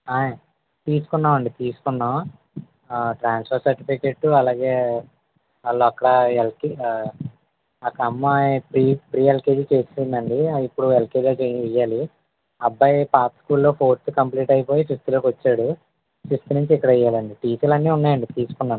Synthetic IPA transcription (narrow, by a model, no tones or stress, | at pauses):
aːja | t̪iːsu̥kunːaːmɐɳɖit̪iːsu̥kunːa | ʈɾaːnspʰɐɾsɐɾʈipikeʈːuɐlaːɡe̞ː | ʋaːlːoːɐkːɐɽɐelki | ɐkɐmːapɾiːpɾiːelkeːd͡ʒit͡ʃe̞ːsinind̪ɐɳɖiipːuɽuelkeːd͡ʒoːt͡ʃejɛjːaːli | ɐbːɐjpaːpskuːlːo̞ːpʰo̞ːɾt̪ukɐmpliːʈɐjipo̞ːjisist̪iloːkʋɐt͡ʃːaːɽu | sist̪unuɲt͡ʃiɛkːɐɽɐɛjːaːlɐɳɖiʈiːselɐnːiːunːaːjɐɳɖit̪iːsu̥kunːaːm